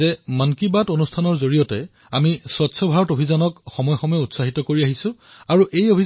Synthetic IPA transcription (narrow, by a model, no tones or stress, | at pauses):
ɛmankibatonustʰanɔɹzoɹijɔtɛ | amiswɔtsʰɔbʱaɹɔtobʱizɔnɔkxɔmɔjɔxɔmɔjɔutsaɦitɔkoɹiaɦisʊ̃ | aɹuʔejobʱi